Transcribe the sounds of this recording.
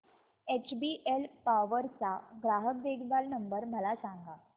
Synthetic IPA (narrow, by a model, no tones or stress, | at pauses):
et͡ɕbiʔelpaʋəɾt͡saɡɾaɦək̚d̪ekʰʋalnəmbəɾməlasãŋɡa